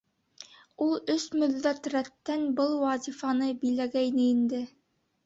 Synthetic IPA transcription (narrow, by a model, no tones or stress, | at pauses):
ulˠɵsmɵ̆ðːæt̪ræt̪ːænbɤlˠwɑzʲifɑnɤbilæɡæjnɘind̪ɘ